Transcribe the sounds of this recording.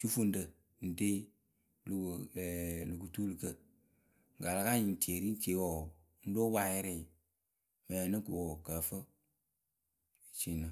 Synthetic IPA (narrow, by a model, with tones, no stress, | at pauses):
t͡ʃu˦fu˦n̩˦də˨ | n̩˨de˦ | lu˨ɡu˨lu˨ɡu˨tu˦lɨ˨kə˦ | ŋ˨ɡa˨la˨ka˦ɲi˨n˨te˨ɾi˦n˦t͡ʃe˨˦wɔ˨˦ | n̩˦do˦wa˦˨jɛ˦ɾɛ˦˨ | mɛ˨nə˦ku˨wɔ˨kə˨fə˦˨ | t͡ʃi˨nə˨